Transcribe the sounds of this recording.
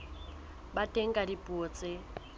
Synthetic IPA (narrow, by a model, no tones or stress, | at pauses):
batʼeŋ̩kʼadipʼuot͡sʼe